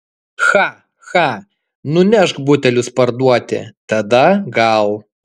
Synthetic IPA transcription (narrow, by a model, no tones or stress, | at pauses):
xɑː | xɑ | nʊnʲɛʃkbʊt̪ʲɛlʲʊspɐɾd̪uɔt̪ʲɪ̰t̪ɐd̪ɐɡɐlˠ